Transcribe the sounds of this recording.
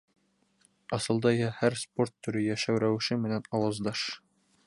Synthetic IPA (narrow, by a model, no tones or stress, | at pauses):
ɑsɤ̆lˠd̪ɑjɑhæɾsport̪ːɵ̆ɾɘjæʃæwɾæw̆ʃɘmɘ̆nænɒwɑzd̪ɑʃ